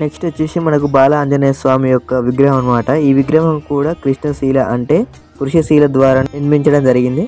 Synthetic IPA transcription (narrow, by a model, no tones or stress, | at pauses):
nekʂʈɨt͡ʃuːʃimɐnɐkubaːlɐːɲd͡ʒɐnejɐsʋaːmijɔkːɐʋiɡɾɐɦɐnɐmaːʈɐiːʋiɡɾɐɦɐmkuːɽaːkɾiʂɳɐsiːlɐʔɐɳʈe̞ː | puɾuʂɐsiːlɐd̪ʋaːɾaːnniɾmiɲt͡ʃɐɽɐmd͡ʒɐɾiɡind̪i